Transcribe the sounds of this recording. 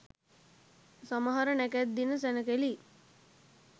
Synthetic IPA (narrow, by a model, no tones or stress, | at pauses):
saməɦaɾənækæd̪ːinəs̬ænəkeli